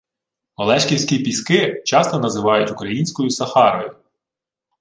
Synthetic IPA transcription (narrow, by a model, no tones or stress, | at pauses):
ɔlˠɛʃkʲiwsʲkʲipʲiskɪt͡ʃɑst̪ɔnɐzɪʋɑjʊtʲʊkɾɐjinʲsʲkɔjʊsɐxɑɾɔjʊ